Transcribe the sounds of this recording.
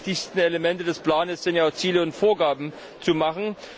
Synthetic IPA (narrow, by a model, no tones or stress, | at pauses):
tɪçstn̩eləmɛntədɛspl̥aːnəsz̥ɪntjaʊt͡siːləʊntfoːɐɡaːbm̩ | t͡sumaχn̩